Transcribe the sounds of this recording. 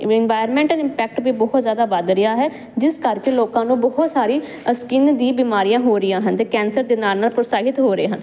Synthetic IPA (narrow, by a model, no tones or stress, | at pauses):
ɪnʋaːjɾmɛ̃ːɳʈəlɪmpɛːk̚ʈbiːbɔɦʊt̪zjaːd̪aːʋəd̪ɾəjaːɦɛː | d͡ʒɪskəɾkeːloːkãːnũːbɔɦʊt̪saːɾiː | əskɪnd̪ĩːbiːmaːɾijãːɦoːɾɪjãːɦənt̪eːkɛːnsəɾd̪eːnaːlnaːlpɾosaːɦɪt̪ɦoːɾəeːɦən